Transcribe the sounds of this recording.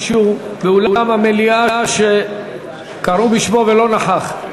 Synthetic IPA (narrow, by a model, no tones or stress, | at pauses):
ʃubeulauamameliaʃe | kaʁubiʃmo̞velo̞naħaχ